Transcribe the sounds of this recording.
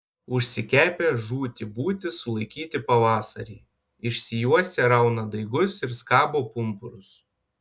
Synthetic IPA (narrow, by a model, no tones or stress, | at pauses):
ʊʃʲsʲɪkʲæːpʲeːʒuːt̪ʲɪbuːt̪ʲɪsʊlˠɐɪkʲiːt̪ʲɪpɐʋɑːsɐɾʲiː | ɪʃʲsʲɪjuɔsʲɛɾɐʊnɐd̪ɐɪɡʊsɪɾskɑːboːpʊmpʊɾʊs